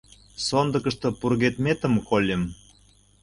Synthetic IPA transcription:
sond̪ə̆kə̆ʃt̪ɤ̆purɣet̪met̪ə̆mkolʲem

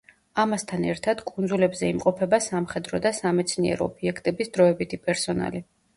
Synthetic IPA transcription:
amast̪ʰanɛɾt̪ʰad̪̥kʼunzulɛbzɛimqʼɔpʰɛbasamχɛd̪ɾɔd̪asamɛt̪sʰniɛ̰ɾɔ̰ːbiɛkʰt̪ʼɛbisd̪̥ɾɔɛbit̪ʰipʼɛɾsɔna̰li

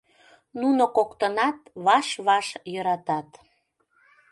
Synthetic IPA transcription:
nunokokt̪ənɑt̪βɑʃβɑʃjøɾɑt̪ɑt̪

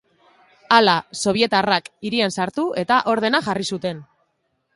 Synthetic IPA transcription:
alaso̞β̞je̞t̪arakiɾiensaɾt̪uʔe̞t̪aʔo̞ɾðe̞naxʝarisut̪e̞n

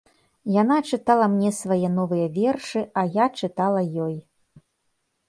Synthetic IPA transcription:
janat͡ʂɨt̪alˠɐmnʲɛsvajɛn̪ɔvɨjɐvʲɛrʂɨajat͡ʂɨt̪alˠɐjɔj

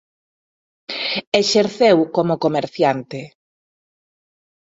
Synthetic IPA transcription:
eʃeɾθewkomʊkomeɾθjant̪ɪ

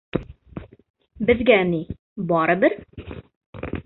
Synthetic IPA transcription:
bɘ̆zɡæni | bɒɾɤbɘɾ

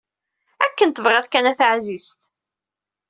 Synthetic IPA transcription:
ækːənt̪əvʁæðkænæθʕzist̪

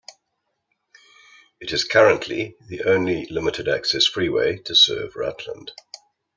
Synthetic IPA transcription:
ɪtɪz̥kʰʌɹə̃nʔlḭðiʔə̃ʊ̃nlilɪmɪtʰɪda̰ksɛsfɹiːwḛɪtʰəsɜ̰ːvɹa̰tʰlə̰̃nd̥

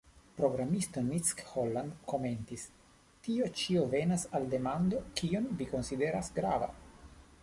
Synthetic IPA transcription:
pɾo̞ɡɾamist̪onit͡skholːand̪ko̞ment̪is | t̪iot͡ʃiovenasald̪e̞mand̪okionviko̞nsid̪eɾasɡɾava̰

